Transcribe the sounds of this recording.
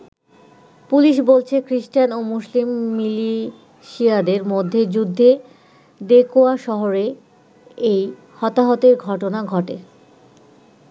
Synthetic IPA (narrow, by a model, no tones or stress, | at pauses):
puliʃ̬bolt͡ɕʰekɾiʃʈanomuʃlimːili | ʃiad̪eɾmod̪ʱːed͡ʑud̪ʱːe | d̪ekoaʃɔɦoɾe | ej | hɔt̪aɦɔt̪eɾɡʱɔʈonaɡʱɔʈe